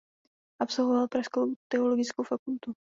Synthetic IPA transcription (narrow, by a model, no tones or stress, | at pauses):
ʔapso̞lvovalpɾaʃkowt̪ɛolo̞ɡɪt͡skowfakult̪u